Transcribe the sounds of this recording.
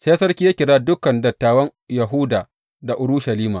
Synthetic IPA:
seː˦sɐ˦rkʲiː˦ja˦kʲɪ˨ɽaː˦dʊ˦kɐ˨ndɐ˨tːaː˨wɐ˦ŋjɐ˨ɦʊː˦daː˨ | da˨ʔʊ˨ɽʊ˦ʃɐ˨liː˦maː˨

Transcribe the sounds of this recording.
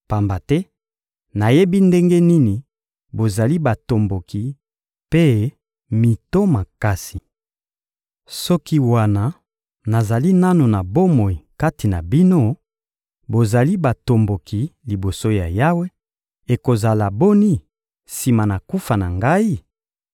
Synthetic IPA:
pa˨mba˨tɛ˦ | na˨je˦bi˦nde˦ŋɡe˦ni˦ni˨ | bo˨za˨li˦ba˨to˨mbo˨kʰi˨ | pe˦ | mi˨to˦ma˨ka˦si˨ | sɔ˦ki˦wa˦na˨ | na˨za˨li˦na˦no˨na˨bo˦mo˨i˨ka˦ti˨na̰˨bi˦no˦ | bo˨za˨li˦ba˨to˨mbo˨kʰi˨li˨bo˨so˦ja̰˨ja˦we˦ | e˨ko˨za˨la˨bo˦ni˦ | si˨ma˨na˨ku˦fa˨na˨ŋɡa˦i˦

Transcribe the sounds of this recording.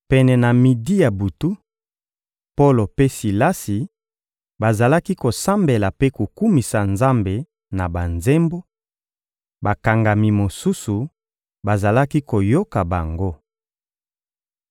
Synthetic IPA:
pɛ˨nɛ˨na˨mi˨di˦ja˨bu˨tu˦ | po˦lo˨pe˦si˨la˦si˨ | ba˨za˨la˦ki˦ko˨sa˦mbe˨la˨pe˦ku˨ku˦mi˨sa˨nza˦mbe˨ | na˨ba˨nze˦mbo˦ | ba˨ka˨ŋɡa˨mi˨mo˨su˦su˨ | ba˨za˨la˦ki˦ko˨jo˦ka˨ba̰˨ŋɡo˦

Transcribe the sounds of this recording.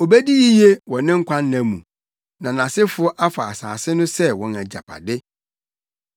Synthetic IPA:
o˨bæ˦di˦ji˦je˦wɔ̃˨nɪ̃˦ŋ̩˦kʷʰã˦nːæ̃˨mṵ̃˨ | nã˨nã˨sɪ˦fʊ˦ɔ˦ʔa˦fa˨a˨sa̰ː˨sɪ˦nʊ̃˦sɛ˦wɔ̃˨næ˨d͡ʑa̰˨pʰa̰˨dɪ˦

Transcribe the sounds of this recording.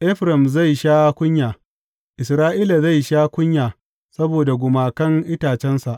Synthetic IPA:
ʔɛ˦ɸɾɐ˨mza˦˨jʃaː˦kʷʊ˦ɲjaː˨ | ʔɪ˨s̬ɾaː˦ʔiː˦la˨za˦˨jʃaː˦kʷʊ˦ɲjaː˨ | sɐ˦boː˨da˨ɡʷʊ˨maː˨kɐ˦ŋʔɪ˦taː˨t͡ʃɛ˦nsa˨ʔ

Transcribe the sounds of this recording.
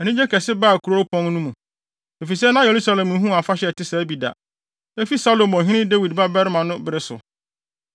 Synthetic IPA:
ɛ˨nĩ˦d͡ʑɛ˦kʰɛ˨sɪ˦ba˦˨kʰu˨ɾo˦pʰɔ̃˦n˦nũ˦mũ˨ | e˨fi˨s̬ɛ˦nã˦je˨ɾu˦sa˦lɛ̃˨m̩˨˦ɦũ˦˨a˨fa˦ɕɛ˨tɪ˦sɛ˨æ˦bi˨da̰˨ | æ˦fi˦sa˦lo˨mɔ̃˨ɦɪ̃˦nɪ̃˦de˦wi˨dba˦bɛ˦ɾɪ˦mã˨nʊ̃˦bɪ˦ɾɪ˦sʊ̰˨

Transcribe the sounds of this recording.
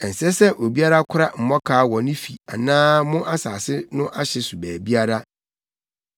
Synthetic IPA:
ɛ˨n̩˨sɛ˦sɛ˦ʔo˨bi˦a˦ɾa˦kʰʊ˦ɾa˦m̩˨mɔ̃˦kʰaː˦˨wɔ̃˨nʊ̃˦fi˨a˨nãː˦mʊ̃˦ʔa˦saː˨sɪ˦nʊ̃˦ʔa˦ɕɛ˨su˨bæː˨bi˦a˦ɾa˦

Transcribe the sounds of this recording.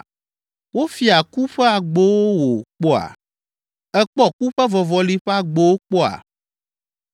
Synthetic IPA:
wo˦fi˨˦a˨ku˦ɸɛ˦a˨ɡ͡bo˦wo˦wo˨k͡pɔ˦a̰˨ | ɛ˦k͡pɔ˦ku˦ɸɛ˦vɔ˨vɔ˨li˦ɸɛ˦a˨ɡ͡be˦wo˦k͡pɔ˦a̰˨

